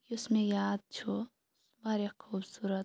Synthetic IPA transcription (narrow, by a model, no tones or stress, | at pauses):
ʊsmẽjaːd̪̚t͡ʃʰo | bʱaːɾjakʰuːbsuːɾət̪